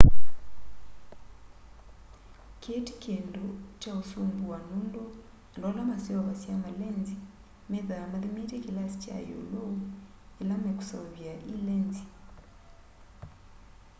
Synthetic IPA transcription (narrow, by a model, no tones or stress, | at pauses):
kʰeti̥kʰendot͡ʃausumbuwanundɔ | ndɔlamasiwaβasjamalɛnzi | meðamaðimitɛkilasi̥t͡ʃa̰jo̰lou | ilameku̥sauβiaʔilɛnzi